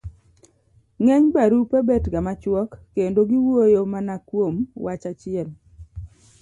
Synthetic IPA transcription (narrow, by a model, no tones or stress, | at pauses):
ŋɛɲbaɾupebetɡamat͡ʃwɔkːendoɡiwojomanakwomwat͡ʃat͡ʃɪɛl